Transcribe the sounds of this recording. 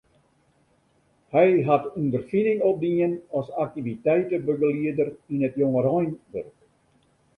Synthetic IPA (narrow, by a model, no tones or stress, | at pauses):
hɛjɦatundərfinɪŋɔp̚diənɔsak̚tivitɛjtəbəɡəliədərinətjoŋəɾɔjnʋø̰rk